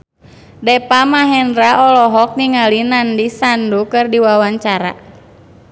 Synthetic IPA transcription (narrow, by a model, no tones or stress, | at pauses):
dɛpamaɦɛnɾaɔlɔɦɔk̚niŋalinandisandukɨrdiwawaɲt͡ʃaɾa̰